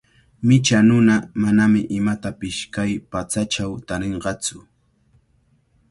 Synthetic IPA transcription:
mɪt͡ʃanʊnamanamɪʔɪmat̪apɪʃkajpat͡sat͡ʃawt̪aɾeɴɢɑt͡sʊ

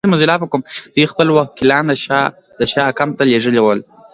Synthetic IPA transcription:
mazilɑpəkomd̪̥ujxpəlwakɪlɑnd̪əʃɑ | d̪əʃɑkamt̪aleʐəlewəl

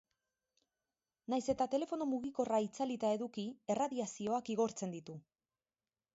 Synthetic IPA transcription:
najse̞t̪at̪e̞le̞fo̞no̞muɣiko̞rait͡salit̪ae̞ðukie̞raðiasio̞akiɣ̞o̞ɾt͡se̞nd̪it̪u

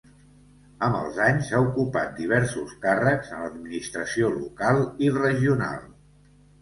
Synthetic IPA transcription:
əmbə̰lˠzaɲsaukupa̰t̪̚d̪iβ̞ɛɾsuskarəkzənləd̪minist̪ɾəsiolṵkalˠirəʒiuna̰lˠ

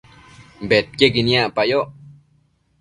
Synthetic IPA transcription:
mbet̪̚keɡinjaʔpajoʔ

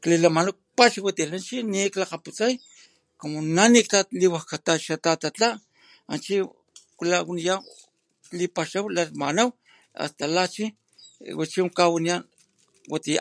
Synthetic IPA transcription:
klilamanak̚paʃiwat̪ilant͡ʃiniklaqaput͡saj | komonanikaliwahkat̪aʃat̪at̪at͡ɬa | a̰nt͡ʃi | klawnijaw | lipaʃawlalmanaw | a̰st̪alat͡ʃi | wat͡ʃikawanijan | wat̪i

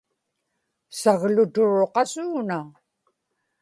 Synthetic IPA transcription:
saɣlʊt̪ʊɻoqɑsuːna

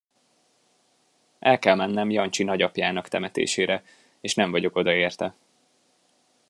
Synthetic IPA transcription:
ʔɛlkɛlmɛnːɛmjɒnt͡ʃinɒɟɒpjaːnɒkt̪ɛmɛt̪ḛːʃeːɾɛ | eːʃnɛɱvɒɟo̞ko̞d̪ɒeːrt̪ɛ

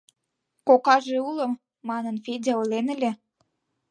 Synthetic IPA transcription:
kokɑʒeulə̆mː | ɑnənfedʲeolenə̆lʲe

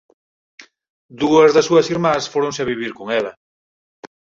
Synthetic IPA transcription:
d̪uɐzðɐsuɐsiɾmãsfoɾõnseaβiβ̞iɾkoŋɛlɐ

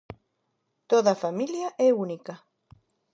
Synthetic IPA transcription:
t̪oðafamiljaʔɛunika

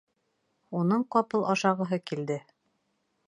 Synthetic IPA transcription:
unɤɴqɒpɤlˠɑʃɑʁɤ̆ɦɤkild̪ɘ

